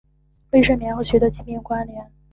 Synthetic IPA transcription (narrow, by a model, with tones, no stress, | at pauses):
we˥˧ɪʂə˥˩mjɛ˧˥nxɤ˥˩ɕɥɛ˧˥d̪ɤ˧˥t͡ɕi˥˩mi˥˩ŋkwa˥nljɛ˧˥n